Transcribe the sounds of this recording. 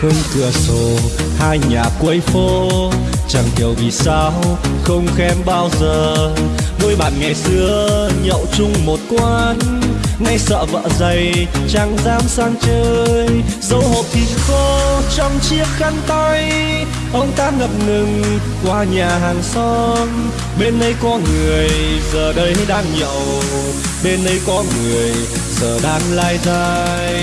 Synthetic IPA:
hə˧ŋ͡mkɨ˨˩əso˨˦haː˧jɲaː˨˩kwə˧jfo˧ | t͡ɕa˨˩ŋɦi˨˩əwvi˨˩saː˧wxə˧wŋ͡mxɛ˧mɓaː˧wzəː˨˩ɗu˧jɓa̰ː˨˩nŋa˨˩jsɨ˧˥əɲə̰˧˨wt͡ɕʊ˧ŋ͡mmo˨˩t̚kwaː˧nna˧jsə̰ː˧˨və̰ː˧˨zə˨˩jt͡ɕa˨˩ŋzaː˧msaː˧ŋt͡ɕəː˧jzə˨˧˦wɦo̰˧˨˩p̚t̪ʰi˨˩ənxɔ˧t͡ɕɔ˧wŋ͡mt͡ɕi˦˥ək̚xa˧ŋt̪a˧j | ʔɔ˧ŋ͡mt̪aː˧nŋə˨˩p̚ŋɨ˨˩ŋ | kwaː˨˩ɲaː˨˩ɦaː˨˩ŋsɔ˧n | ɓe˧nɗə˧jkɔ˧˦ŋɨ˨˩əjzəː˨˩ɗə˧jha˧jɗaː˧ŋɲə̰˧˨ww | ɓe˧nɗə˧jkɔ˨˦ŋɨ˨˩əj | zəː˨˩ɗaː˨˧˦nlaː˧jzaː˧jj

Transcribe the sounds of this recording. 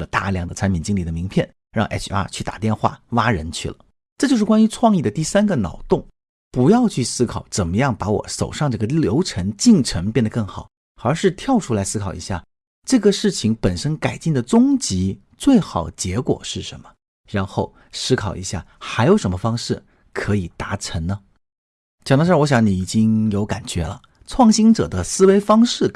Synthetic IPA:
lə˩t̪a̰˥˧ljɑ˥˩ŋd̪ə˩t͡sʰa˧˥npʰi˨˩nt͡ɕi˥ŋli˥˩d̪ə˩mi˧˥ŋpʰjɛ˥˩n | ɻɑ˥˧ŋʔɛ˥t͡ɕʰa̰˥t͡ɕʰy˥˩t̪a̰˨˩t̪jɛ˥˧nxwa̰˥˩wa˥ɻə˧˥nt͡ɕʰy˥˩lə̰˩ | ʈ͡ʂɤ˥˩t͡ɕjo˥˧ʊʂɻ̩˥˩wa˥ny˧˥ʈ͡ʂʰwɑ˥˧ŋi˥˩d̪ə˩t̪i˥˩sa˥nɡə˨nɑ̰˨˩ʊt̪ʊ˥˩ŋ | pu˧˥jɑ˥˧ʊt͡ɕʰy˥˩sɹ̩˥kʰɑ˨˩˦ʊt͡sə˨˩nmə˦jɑ˥˩ŋpa˧˥wɔ̰˨˧˩so˨˩ʊʂɑ˥˧ŋʈ͡ʂɤ˥˩ɡə˩ljo˧˥ʊʈ͡ʂʰə˧˥ŋt͡ɕi˥˩ŋʈ͡ʂʰə˧˥ŋpjɛ˥˩nd̪ə˩kɤ˥˩ŋxɑ˨˩˦ʊ | ə˞˧˥ʂɻ̩˥˧t̪ʰjɑ˥˩ʊʈ͡ʂʰu˥la˧˥ɪsɹ̩˥kʰɑ˨˩ʊḭ˧˥ɕja̰˥˩ | ʈ͡ʂɤ˥˩ɡə˩ʂɻ̩˥˩t͡ɕʰi˧˥ŋpə˨˩nʂə˥nka˨˩ɪt͡ɕi˥˩ŋd̪ə˩t͡sʊ˥ŋt͡ɕi˧˥ | t͡swe˥˩ɪxɑ˨˩ʊt͡ɕjɛ˧˥kwɔ̰˨˩ʂɻ̩˥˩ʂə̰˧˥nmə˧ | ɻa˧˥nxo˥˩ʊ | sɹ̩˥kʰɑ˨˩ʊi˧˥ɕja˥˩xa˧˥ɪjo˧˥ʊʂə˧˥mə˧fɑ˥ŋʂɻ̩˥˩ | kʰɤ˧˥i˨˩t̪a˧˥ʈ͡ʂʰə˧˥nnə˧ | t͡ɕɑ˨˩ŋd̪ʈ͡ʂʰwɔ˧˥ɕ̬jɑ˧˥ŋni˨˧˩i˨˩t͡ɕi˥ŋjo˧˥ʊka̰˨˩nt͡ɕɥɛ̰˧˥lə̰˧ | ʈ͡ʂʰwɑ˥˩ŋɕi˥ŋʈ͡ʂɤ̰˨˩d̪ə˦sɹ̩˥we˥ɪfɑ˥ŋʂɻ̩˥˩

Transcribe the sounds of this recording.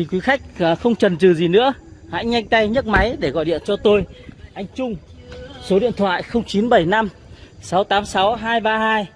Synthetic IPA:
i˨˩kwi˨˦xa˦˥jk̚ːxə˧wŋ͡mt͡ɕə˨˩nzɨ˨˩zi˨˩nɨ̰˧˥əha̰ː˧˥jɲa˧jŋ̟t̪a˧jɲə˦˥t̚ma˨˦jɗe˧˩ɣɔ̰˧˨jɗḭ˧˨ənt͡ɕɔ˧t̪o˧jʔa˧jŋ̟t͡ɕʊ˧ŋ͡m | so˨˦ɗḭ˧˨ənt̪ʰwa̰ː˧˨jxə˧wŋ͡mt͡ɕi˨˦nɓə˧˩jna˧m | sa˨˦wt̪aː˨˦msa˨˦wɦaː˧jɓaː˧haː˧j

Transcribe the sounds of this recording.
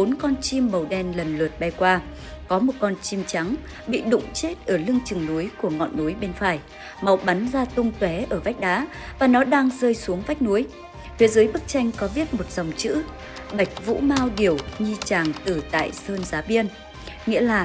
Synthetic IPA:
ɓo˨˦nkɔ˧nt͡ɕi˧mːə˨˩wɗɛ˧nlə˨˩nlə˨˩t̚ɓa˧jkwaː˧ | kɔ˨˦mo˨˩t̚kɔ˧nt͡ɕi˧mt͡ɕa˨˦ŋ | ɓḭ˧˨ɗʊ̰˧˨ŋ͡mt͡ɕe˦˥t̚ʔəː˧˩lɨ˧əŋt͡ɕɨ˨˩ŋnu˨˦jku˧˩əŋɔ̰˧˨nːu˨˦jɓe˧nfaː˧˩j | ma˨˦wɓa˨˦nzaː˧t̪ʊ˧ŋ͡mt̪wɛ˨˦ʔəː˧˩va˦˥jk̟̚ɗaː˨˦ | vaː˨˩nɔ˨˦ɗaː˧ŋzəː˧jsu˨˦əŋva˦˥jk̟̚nu˨˦j | fʰi˨˦zəː˨˦jɓɨ˦˥k̚t͡ɕa˧jŋ̟kɔ˨˦vi˦˥ət̚mo˨˩t̚z̥ə˨˩wŋ͡mt͡ɕɨ̰˧˥ | ɓa˨˩jk̟̚vṵ˧˥maː˧wɗi˧˩əwɲi˧t͡ɕaː˨˩ŋt̪ɨ˨˩t̪a̰ː˧˨jsəː˧nzaː˨˦ɓi˧ən | ŋḭ˧˥əlaː˨˩

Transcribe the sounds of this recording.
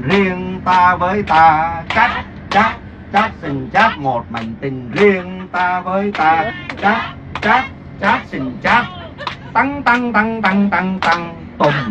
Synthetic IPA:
ɾi˧əŋt̪aː˧vəː˨˦jt̪aː˧t͡ɕa˦˥k̚ | t͡ɕaː˦˥k̚ | t͡ɕa˦˥k̚sï˨˩ŋ̟t͡ɕaː˦˥k̚mo˨˩t̚ma˨˩jŋ̟t̪ï˨˩ŋzi˧əŋt̪aː˧vəː˨˦jt̪aː˧t͡ɕa˦˥k̚ | t͡ɕa˦˥k̚ | t͡ɕaː˦˥k̚si˧˨˩ŋ̟t͡ɕaː˦˥k̚ | t̪a˨˧ŋt̪a˧ŋt̪a˧ŋt̪a˧ŋt̪a˧ŋt̪a˧ŋ | t̪o˨˩m

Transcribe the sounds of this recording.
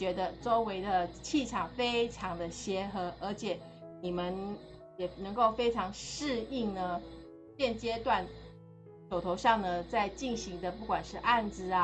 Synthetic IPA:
t͡ɕɥɛ˧˥d̪ə˧ʈ͡ʂo˥ʊwe˧˥ɪd̪ə˧t͡ɕʰi˥˩ʈ͡ʂʰɑ˨˩ŋfe˥ɪʈ͡ʂʰɑ˧˥ŋd̪ə˧ɕjɛ˧˥xɤ˧˥ʔə˞˧˥t͡ɕʰjɛ˨˩˦ | ni˨˩mə˧˦n | jɛ˨˩nə˧˥ŋko˥˩ʊfe˥ɪʈ͡ʂʰɑ˧˥ŋʂɻ̩˥˧i˥˩ŋnə˩ | t͡ɕjɛ˥˩nt͡ɕjɛ˥t̪wa˥˩n | ʂo˨˩ʊt̪ʰo˧˥ʊʂɑ˥˩ŋd̪ə˩t͡sa˥˧ɪt͡ɕi˥˩nɕi˧˥ŋd̪ə˧pu˥˩kwa˨˩nʂɻ̩˥˧ʔa˥˧nd͡zɹ̩˨˩a˦

